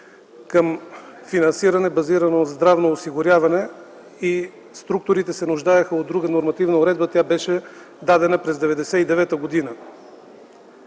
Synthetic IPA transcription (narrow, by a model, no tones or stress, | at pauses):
kəmfinɐnsiɾɐnɛbɐziɾɐnozd̪ɾavnoːsiɡʊɾʲjavɐnɛ | i | st̪ɾuk̚t̪ʊɾit̪ɛsɛnʊʒd̪ajəxəod̪ɾuɡənoɾmɐt̪ivnəoɾɛd̪bət̪ʲjabɛʃɛ | d̪ad̪ɛnəpɾɛzd̪ɛvɛd̪ɛsɛid̪ɛvɛt̪əɡod̪inə